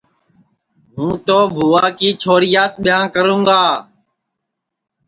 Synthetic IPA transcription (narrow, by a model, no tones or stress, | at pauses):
mũːt̪oːbʱuːaːkiːt͡ʃʰoːɾijaːsɓɪjãːkəɾũːɡaː